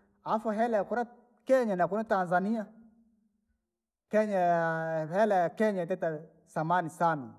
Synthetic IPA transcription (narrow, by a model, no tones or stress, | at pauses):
aafuɦɛlajakuɾa | kɛɲanakunatanzania | kɛɲa | hɛlajakɛɲatɛta | samanisana̰